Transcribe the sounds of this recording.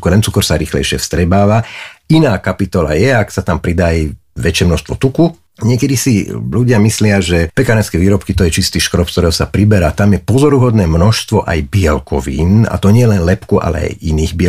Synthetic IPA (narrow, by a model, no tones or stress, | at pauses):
kɾɛnt͡sukɔɾsaɾiːxlɛ̰jʃɪɛ̰fst̪ɾɛbaːʋainaːkapit̪ɔla̰jɛaksat̪ampɾid̪ajʋɛt͡ʃɪɛmnɔʃst̪ʋɔt̪uku | ɲɪɛkɛd̪isiʎuɟɪamislɪaʒɛpɛkanɛskɛʋiːɾɔpkit̪ɔjɛt͡ʃist̪iːʃkɾɔpskt̪ɔɾɛɦɔsapɾibɛɾaːt̪amjɛpɔzɔɾuɦɔd̪nɛːmnɔʃst̪ʋɔʔa̰jbiɛlkɔʋḭːna̰t̪ɔɲɪɛjɛlɛnlɛpkuʔa̰lɛ̰a̰jiniːɣbiɛ